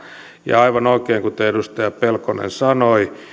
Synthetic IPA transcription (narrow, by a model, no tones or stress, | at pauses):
jɑ̰ɑiʋɑnoikeːŋkut̪eedust̪ɑjɑpelkonḛnsɑnoi